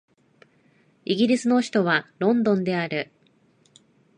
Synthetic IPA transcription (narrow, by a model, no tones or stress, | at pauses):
iɡʲiɾʲisɨno̞ɕi̥t̪o̞βaɾõ̞nd̪õ̞nd̪e̞aɾɯ̟